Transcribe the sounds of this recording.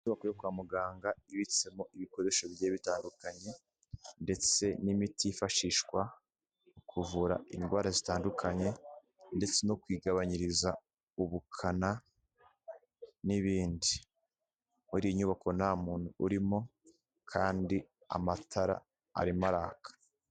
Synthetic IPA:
iɲuβakojokwaːmuɡaːŋɡaiβit͡se̞mo̞ʔiβiko̞ɾe̞ʃoβje̞ːβitaːndukaɲe̞ | nde̞t͡se̞nimitiifaʃiʃkwa | ukʰuvuɾa̰ʔinɡwaːɾazitaːndukʰaɲe̞ | nde̞t͡se̞no̞kwiːɡaβaɲiɾiza | uβukʰana | niβiːndi | muɾijiɲuβakʰo̞namuːn̥huːɾimo̞ | kʰaːndi | a̰matʰaɾa̰ | a̰ɾimaɾaːkḁ

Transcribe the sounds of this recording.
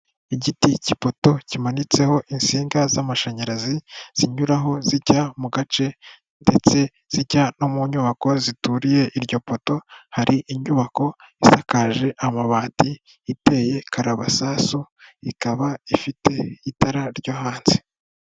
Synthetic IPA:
iɟiticipo̞to̞cimanit͡se̞ho̞ʔinsiːŋɡazamaʃaɲaɾaziz̥iɲuɾaɦo̞ziɟamuɡat͡ʃe̞ | nde̞t͡se̞ | z̥iɟano̞muɲuβako̞zituɾije̞ʔiɾɟo̞po̞to̞haɾiʔiɲuβako̞isakaʒe̞ʔamaβaːtiː | te̞je̞kʰaɾaβasaːsuikaβaifite̞itaɾaɾɟoɦaːnzi̥

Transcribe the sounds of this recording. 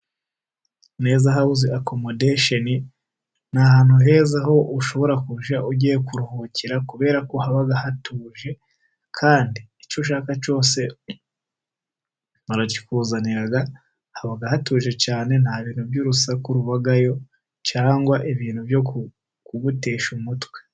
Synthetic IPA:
neːzaɦaβuziʔako̞modeʃoni | nahaːnhuɦe̞ːzaho̞ʔuʃo̞βo̞ɾakuʒaʔuɟijekuɾuhociɾakuβe̞ːɾakohaβaɡahatuːʒe̞ | kʰaːndiːt͡ʃuʃ̬aːkat͡ʃo̞ːse̞ | maɾaci̥kuːzaniɾaɡa | haβaɡahatuːʒe̞t͡ʃaːnenhaβiːnuβjuːɾusakuɾuβaɡajo̞ | t͡ʃaːŋɡwaʔeβiːnhuβjo̞ku | kuβute̞ːʃumutwe

